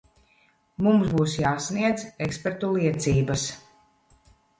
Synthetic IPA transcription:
mumzbuːsjaːsniɛd̪zekspeɾt̪ulˠiɛt̪siːbas

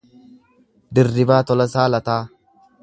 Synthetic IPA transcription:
d̪ɪrːɪbaːt̪ɔlɐsaːlɐt̪aː

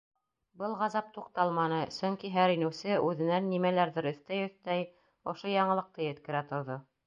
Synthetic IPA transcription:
bɤlˠʁɑzɑp̚t̪uqt̪ɑlˠmɑnɤsɵŋkiɦæɾinɘ̆wsɘʔʉðɘ̆nænːimælæɾðɘɾɵ̆θt̪æjɵ̆θt̪æj | ŏʃojɑɴɤ̆lˠɤ̆q̚t̪ɤjɘ̆t̪kɘ̆ɾæt̪ŏɾðo

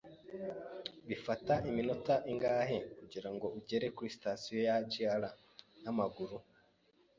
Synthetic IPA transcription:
βifataʔiminotaʔiŋɡaːhekuɟiɾaŋɡo̞uɟe̞ɾe̞kuɾisi̥tasijo̞jaciala | namaɡuɾu

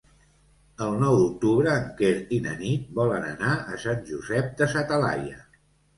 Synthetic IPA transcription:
əlˠnɔwd̪uk̚t̪uβɾəːŋkeɾinə̰nit̪̚bɔlənə̰naəsanʲʒuzɛp̚d̪əsat̪əla̰jə

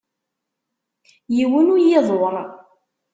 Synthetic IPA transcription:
jiwənujɪðˤɾˤ

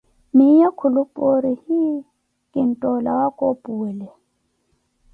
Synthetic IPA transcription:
mɪjakʰʊlʊpʼoɾihi | kʼɪn̩tʼɔlawakʼopʼuːlɛ

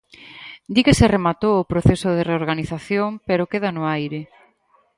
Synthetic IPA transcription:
d̪ikeseremat̪owʊpɾoθesoð̞ereoɾɣaniθaθjompeɾokeðanoajɾɪ

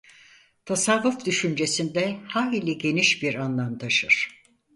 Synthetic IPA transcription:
t̪ʰasavːufd̪yʃynd͡ʒe̞sind̪ɛhaɦilʲiɟe̞niʃbiɾanlˠamt̪ʰaʃɯɾ̥

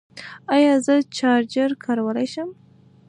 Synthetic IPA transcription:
ɑjɑzət͡ʃɑɾd͡ʒəɾkʰɑɾawəlajʃəm

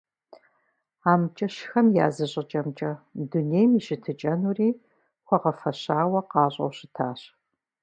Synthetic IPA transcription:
aːmt͡ʃʼɐʃxɐmja̰ːzɨɕʼɪt͡ʃʼɐmt͡ʃʼɐduneːjmiʃɪtʰɨt͡ʃʼɐnuːriː | χʷɔʁɐfɐɕaːwɐqɑːɕʼɐ̰wɕɪtʰaːɕ

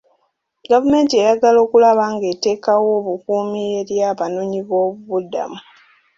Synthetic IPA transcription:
ɡavume̞ːntiejaɡalo̞ːkulaβaŋɡete̞ːkawo̞βukuːmie̞ɾjaːβanoːɲiβo̞ːβuβuda̰mu

